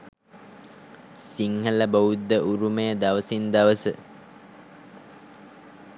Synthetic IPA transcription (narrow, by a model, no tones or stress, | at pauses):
siŋhələbɐud̪ːəʔuɾumejəd̪aʋəsind̪aʋəsə